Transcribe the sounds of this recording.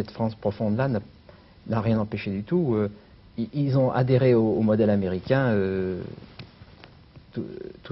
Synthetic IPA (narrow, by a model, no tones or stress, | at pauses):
ɛt̪fχɑ̃spχɔfɔ̃d̪lana | naʁjɛ̃nɑ̃peʃed̪yt̪uø | iʔilzɔ̃ʔa̰d̪eʁeoːmɔd̪ɛlameʁikʲɛ̃ø | t̪ut̪u